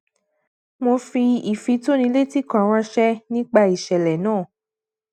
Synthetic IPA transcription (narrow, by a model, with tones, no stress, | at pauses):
mo˧fi˧i˨fi˧˦to˦nĩ˧˦le˦ti˦kã˨ɾ̃ã˧ʃɛ˦nĩ˦k͡pa˧i˨ʃɛ˨lɛ˨nãː˦˨